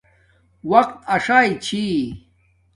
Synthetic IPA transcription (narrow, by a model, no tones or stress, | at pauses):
wɐqt̪ɐʂaːjt͡ɕʰi